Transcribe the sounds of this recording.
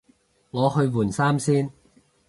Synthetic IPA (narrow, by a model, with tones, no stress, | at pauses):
ŋɔː˨˧hɵ˧ɥwuː˨˩nsaː˥msiː˥n